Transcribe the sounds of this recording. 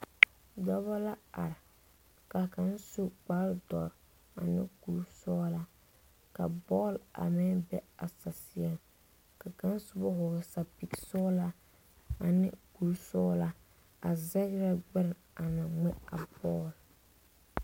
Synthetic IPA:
dɔ˦βa˦la˦a˨ɾɪ˨ | ka˨ka˨˦n˦su˦k͡pa˦ldɔ˨ɾ | a̰˨nɪ̰˦ku˨ɾsɔː˦la˦ | ka˨bɔː˦la̰˨mɪ˦nbɛ˦a˨sa˨sɪ˨ɛ˨m | ka˨ka˦n˦sʊ˦bɔ˦ɦʊ˨ɣsa˨pi˨ksɔː˦la˦ | a˨nɪ˦ku˨lsɔː˦la˦ | a̰˨zɛ˦ɣɾa˦ɡ͡bɛ˦ɾɪ˨ | a˨na˨ŋɛ˦a˨bɔː˦l

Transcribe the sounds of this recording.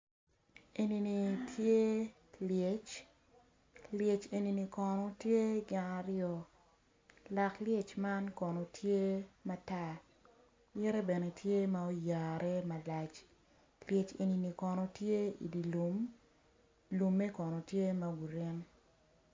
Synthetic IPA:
e˨ni˨ni˨tʰje˦ | lje˨t͡ʃ | lje˨t͡ʃe˨ni˨ni˨kɔ˨nɔ˦tje˦ɡa˨ŋa˨ɾɪɔ˨ | la˨klje˦t͡ʃma˦nkɔ˨no˨tʰje˦ma˦ta˦ | jɛ˦ɾɛ˦be˨ne˨tje˦ma˦o˦ja˨ɾʔɛ˦ma˨la˨t͡ʃ | lje˨t͡ʃḛ˨ni˨ni˨kɔ˨nɔ˨tje˦ḭ˨di˨lu˨m | lu˨mːe˦kɔ˨nɔ˨tje˦mɐ˦ɡu˨ɾɛ˦n

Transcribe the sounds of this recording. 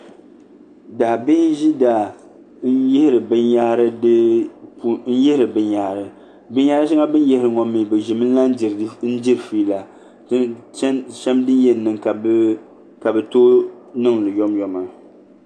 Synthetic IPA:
daː˨bi˦n˦ʒi˦daː˨ | n̩˦jɛ˦hɪ˦ɾɨ˨bɨ˦nja˦ɾɨ˦dpn̩˦jɛ˦hɾɨ˨bɨ˦ɲjaː˦ɾɨ˨ | bɨ˦n˦jaː˦ɾɨ˦ʃa˦ŋa˦bɨ˦n˦jɛ˦hɪ˨ɾɨ˨ŋɔ˨mːi˨bɨ˨ʒɪ˨mɨ˦n˦la˦n˦˨n̩˦d͡ʒi˦ɾɨ˨fiː˦la˨˦ | ʃɛ˦mdɨ˦njɛ˨nː˨ɨ˨ŋk | ka˨bɛ˨to˦ | nɨ˦ŋ˨lɨ˨jɔ˦mjɔ˨ma˨

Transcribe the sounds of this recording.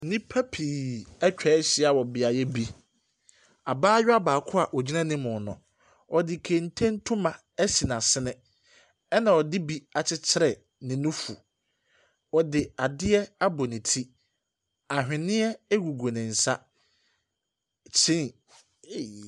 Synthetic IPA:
nɪ̃˦pʰa˦pʰiː˨ɛ˦t͡ɕᶣɛ˨˦ɕɪ˦a˨wɔ˨bɪ˨a˨jɛ˦bi˦ | a˨baː˦ɥɔ˦a˦baː˨kʰʊ˦a˨ʔɔ˨d͡ʑi˦nã˦nɪ̃˦mʊ̃˨nʊ̃˨ | ɔ˨dɪ˨kʰe˨n̩˦tʰẽ˦n̩˦tʰʊ̃˦mã˨ | ɛ˦si˨nã˨sɪ˦nɪ̃˦ | ɛ˦nã˨ɔ˨dɪ˦bi˦a˨t͡ɕʰɪ˦t͡ɕʰɪ˦ɾɛ˨ | nɪ̃˨nʊ̃˦fṵ˨ | ɔ˨dɪ˨a˨dɪ˦ɛ˦a˦bɔ˨nɪ̃˨tʰi˦ | a˨ɦᶣɪ̃˨nɪ̃˦ɛ˦ɡu˨ɡo˨nɪ̃˨n̩˨sa̰˦ | t͡ɕʰɪ̃˦n˨

